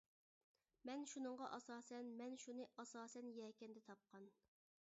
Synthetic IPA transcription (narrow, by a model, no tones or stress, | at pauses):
mɛnʃunɨɴʁɑʔɑsɑːsɛnmɛnʃunɨʔɑsɑːsɛnjɛːkʲɛnd̪ɛt̪ʰɑp̚qʰɑn